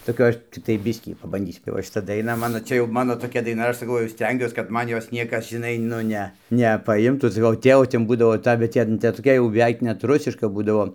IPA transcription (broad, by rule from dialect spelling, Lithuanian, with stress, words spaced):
toːˈkʲɛ ˈɐʃ ˈt͡sʲɪktɐɪ ˈbʲɪsʲkʲiː pɐbɐnʲˈdʲiːsʲʊ tɐɪ ˈʋɐ ʃʲɪˈtɐ dɐɪˈnɐ ˈmɑːnoː ˈt͡ʃʲɛ jɛʊ ˈmɑːnoː toːˈkʲɛ dɐɪˈnɐ ˈɐʃ sɐˈkɐʊ jɛʊ ˈsʲtʲɛŋʲɡʲuɔs kɐt ˈmɐn ˈjoːs ˈnʲiɛkɐs ʒʲɪˈnɐɪ ˈnʊ nʲɛ nʲɛpɐˈɪmtuː sɐˈkɐʊ ˈtʲeːʋoː ˈtʲɛn ˈbuːdɐʋoː ˈtɐ bʲɛt ˈtʲɛn ˈtʲɛn toːˈkʲɛ jɛʊ bʲɛˈʋʲɛɪk ˈnʲɛt ˈrʊsʲɪʃkɐ ˈbuːdɐʋoː